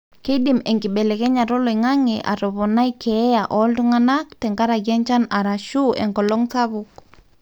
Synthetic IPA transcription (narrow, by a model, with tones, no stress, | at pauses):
ke˦di˨mɛ˨ŋɡi˨ɓɛ˨lɛ˨kɛ˦ɲa˨ɾɔ˦lɔ˨iŋa˦ŋɛʔa̰ɾɔ˨βɔ˨na˦jkʰɛ˦jaʔɔlduŋa˦nak̚tɛ˨ŋɡa˦ɾa˨ɡjɛ˦ɲt͡ʃa˦na˨ɾa˨ʃuʔɛ̰ŋɡɔ˨lɔ˦ŋsaβuk̚